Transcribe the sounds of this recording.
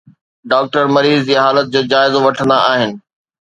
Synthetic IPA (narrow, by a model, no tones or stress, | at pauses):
ɖaːk̚ʈəɾmɐɾiːzd͡ʑiːɦaːlət̪̚d͡ʑoːd͡ʑaːɪzoʋɐʈʰə̃nd̪aaːɦɪnɪ̆